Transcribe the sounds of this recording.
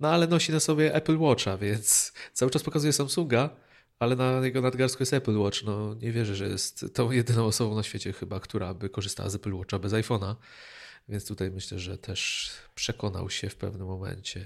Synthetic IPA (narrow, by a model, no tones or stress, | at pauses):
nɔalɛnɔɕinasɔbʲjɛʔɛplwɔt͡ʂavʲjɛnt̪st̪sawɘt͡ʂʈ͡ʂaspɔkazujɛsamsuŋɡa | alɛnajɛɡɔnad̪ɡaɾskujɛst̪ɛplwɔt͡ʂnɔɲɛvʲjɛʐɛʐɛjɛ̰st̪ːɔ̃w̃jɛd̪ɘnɔ̃w̃ɔsɔbɔ̃w̃naɕfʲjet͡ɕɛxɘbakt̪uɾabɘkɔʐɨst̪a̰wa̰zɛplwɔt͡ʂabɛzajfɔna | vʲjɛnst̪ut̪ajmɘɕlɛʐɛ̰t̪ʰɛʂpʂɛkɔna̰wɕɛfpɛ̰vnɘmːɔmɛ̰ɲt͡ɕɛ